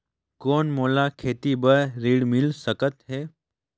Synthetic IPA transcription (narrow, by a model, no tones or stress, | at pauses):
koːnmoːlakʰeːt̪ibəɾɾiːɽmɪlsəkət̪ɦeː